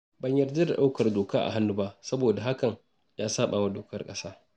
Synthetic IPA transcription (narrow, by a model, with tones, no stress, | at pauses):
bɐ˨ɲjɐ˨rda˦da˨ɗa˦wkɐ˨rdoː˨kaː˦ʔa̰˨ɦa˦nːu˦ba˦ʔsɐ˦boː˨da˨ɦa˦kɐ˨ŋ | jaː˦saː˦ɓaː˨wa˦doː˨kɐ˦rkʼɐ̰˦saː˦